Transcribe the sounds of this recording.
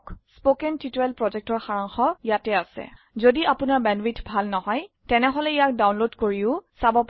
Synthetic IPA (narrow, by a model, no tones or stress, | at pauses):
kspokɛntitɹɛlpɹɔzɛk̚tɔɹxaɹaŋxɔjatɛasɛ̰ | zodiapʊnaɹbɛnbitbʱalnɔɦɔj | tɛnɛɦɔlɛijak̚dawnlodkoɹiʊsabɔp